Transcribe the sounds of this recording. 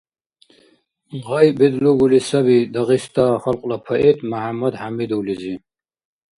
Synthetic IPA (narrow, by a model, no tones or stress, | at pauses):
ʁɐjbed̪luɡulisɐbid̪ɐʁist̪axɐlqʼlapʰɐʔet̪mahamɐd̪hamid̪ulizi